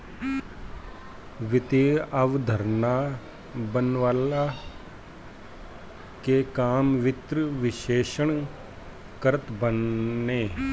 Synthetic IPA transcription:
ʋɪt̪eːəʋd̪ʱəɾna | bənʋaːla | kekaːmʋɪt̪ɾəʋɪʃeːʃəɳ | kəɾət̪bənːeː

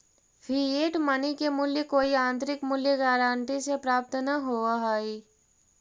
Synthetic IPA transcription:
fʰieːʈmɐnikemʊljəkoːiãːnt̪ɾɪkmʊljəɡaːɾãːɳʈisepɾaːp̚t̪naɦoːaɦaːiː

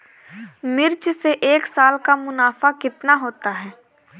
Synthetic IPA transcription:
mɪɾt͡ʃseʔeːksaːlkamʊnaːfakɪt̪naɦoːt̪aɦɛː

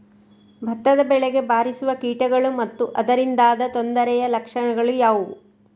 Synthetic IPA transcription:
bʱɐt̪ːɐd̪ɐbɛɭɛɡe̞baːɾisuʋɐkiːʈɐɡɐɭumɐt̪ːuʔɐd̪ɐɾind̪aːd̪ɐt̪o̞nd̪ɐɾɛjɐlɐkʂɐɳɐɡɐɭujaːʋu

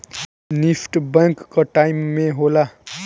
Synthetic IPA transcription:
nipʰʈbaŋkːʌʈajmːeɦola

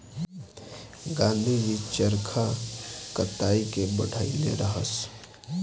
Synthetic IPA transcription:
ɡãːnd̪ʱid͡ʒit͡ʃəɾkʰakɐt̪aːikebɐɽʱaːilḛɾɐɦəs

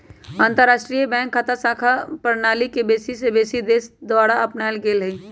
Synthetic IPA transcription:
ãːnt̪əɾaːsʈɾiːjəbɛ̃ːŋkʰːat̪ʰasaːkʰapəɾnaːlikebeːsisebeːsid̪eːsd̪ʋaːɽaəpnajlɡeːlɦəi

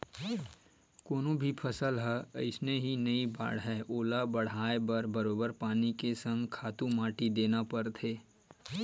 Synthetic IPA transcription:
koːnõbʱipʰɐsəlɦɛə̰ɪsneɦinɐiba̰ːɽɦɛːʔoːlabɐɽ̤aːebɐɾbɐɾoːbəɾpaːnikesə̃ŋɡkʰaːt̪ũmaːʈid̪eːnapɐɾt̪ʰeː

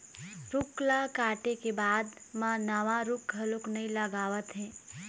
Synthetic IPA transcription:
ɾʊklakaːʈekebaːd̪mãnəʋãɾʊkɦɐlʊknɐɦĩləɡaːʋət̪ɦɛ̃ː

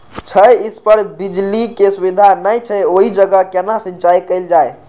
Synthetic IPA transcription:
t͡ʃʰəjispəɾbid͡ʒlikesubid̪ʱanəjt͡ʃʰəjoɦid͡ʒəɡəkenasĩnt͡ʃajkəɪld͡ʒaj

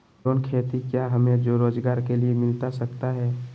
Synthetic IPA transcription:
oːnkʰeːt̪ikjaɦəmẽd͡ʒoɾoːd͡ʒɡaːɾkeliemɪlt̪asəkt̪aɦɛː

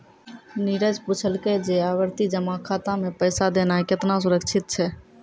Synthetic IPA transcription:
niɾəd͡ʒput͡ʃʰəlked͡ʒeaːʋəɾt̪id͡ʒəmakʰaːt̪ãmẽpəjsad̪eːnaekɪt̪nas̬ʊɾəkt͡ʃʰɪt̪̚t͡ʃʰɛ

